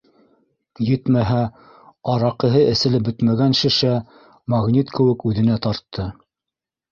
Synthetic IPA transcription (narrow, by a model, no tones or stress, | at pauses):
jɘt̪mæɦæ | ɑɾɑqɤ̆ɦɤʔɘ̆sɘ̆lɘp̚bɵt̪mæɡænʃɘ̆ʃæ | mɑʁnit̪kʰɘ̆wɘkʉðɘ̆næt̪ɑɾt̪ːɤ